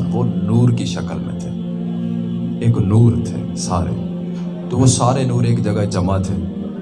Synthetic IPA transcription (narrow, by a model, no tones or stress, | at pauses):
poːnuːɾkiʃəkəlmḛ̃t̪ʰe | eːknuːɾt̪ʰḛːsa̰ːɾḛ | t̪oʋõsaːɾenuːɾeːkd͡ʒəɡad͡ʒɐmat̪ʰeː